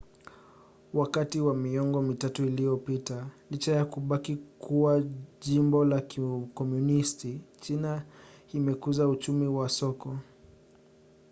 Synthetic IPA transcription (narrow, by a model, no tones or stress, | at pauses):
wakatiwamiɔŋɡɔmitatuilijɔpitalit͡ʃajakuɓakikuwaʄimbɔlakkɔmjunistit͡ʃinaimɛkuzaut͡ʃumiwasɔkɔ